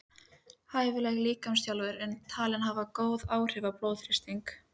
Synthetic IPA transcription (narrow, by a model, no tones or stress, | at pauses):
haːjvʏlɛɣliːkamst̪jalvʏɾɛnt̪ʰaːlɪnɦavakoːwðaːwr̥ɪvaploːwðfɾɪst̪iŋk